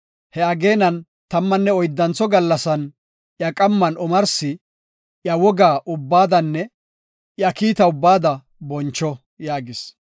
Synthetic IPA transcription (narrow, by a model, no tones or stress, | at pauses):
hɛɐɡe̞ːnɐn | t̪ɐmːɐnːɛɔjd̪ːɐnt͡sɔɡɐlːɐsɐn | jɐkʼɐmːɐnɔmɐɾsɪ | jɐwɔɡaːʔʊbːaːd̪ɐnːɛ | jɐkiːt̪ɐʊbːaːd̪ɐ | bɔnt͡ʃːɔ | jaːɡɪs